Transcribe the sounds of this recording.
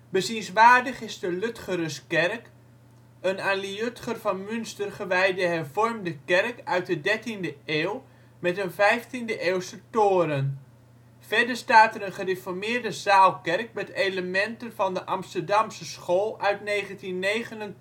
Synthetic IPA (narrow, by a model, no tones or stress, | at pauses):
bəsinsʋaːrdəχɪzdəløtχəɾəskɛrk | ənaliøtχərvɑnmʏnstərχəʋɛjdəɦɛrvɔrmdəkɛrkœɥt̚dədɛrtindəeːw | mɛtənvɛjftindəʔeːwsətoːɾən | fɛɹdəɹstaːtəɾənχərefɔɹmɪːrdəzaːlˠkɛrk̚mɛtejləmɛntənvɑndəʔɑmstəɹdɑmsəsχoːlˠœɥtneːχəntinːejχənən